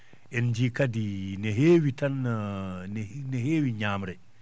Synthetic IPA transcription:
ʔɛnd͡ʒikadinɛɦeːwitan | nɛɦeːwiɲaːmɾɛ

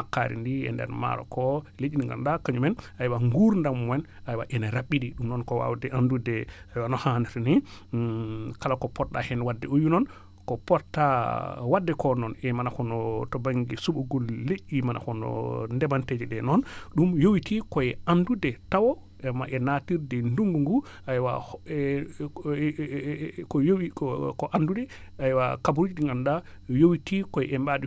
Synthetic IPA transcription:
akːa̰ɾḭndiɛ̰ndɛ̰ɾma̰ɾɔ̰kɔ | leʔiniŋɡa̰nɗakaɲumɛnajwaŋɡuɾndamwɛn | ajwa̰ʔɛnɛɾaɓːiɗiɗumnɔnkɔwa̰wdɛʔandudɛajwanɔhanitni | kalakɔpɔɾɗahɛnwadːɛujunɔn | kɔpɔɾtawadːɛkɔnɔnɛmanakɔnɔtɔbaŋɡisuɓuɡɔlːeʔːimanʔa̰kɔnɔ̰ndɛbanted͡ʒɛɗɛnɔnɗumjowitikɔɛandudɛtawɔ | ɛmaʔɛnatiɾdɛnduŋɡuŋɡu | ajwa̰ | kɔjowikɔʔandudɛ | ajwakabuɾud͡ʒiiŋɡanɗajowitikɔjʔɛmbaɗi

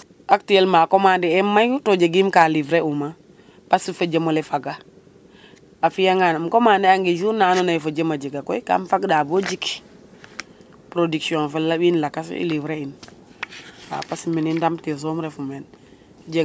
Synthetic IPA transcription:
aktielmakomandiɛmajtod͡ʒeɡimkaːlivɾeuma | pasifəd͡ʒemolɛfaɡa | afijaŋanmkomaːndɛaŋɡid͡ʒunanonafəd͡ʒemad͡ʒiɡakɔ̰jka̰mfaɡdaːbod͡ʒik | pɾodiksiõfelːabinlakas̬ḭlivɾein | a̰pasminindamtkez̬omɾɛfumɛn | d͡ʒe

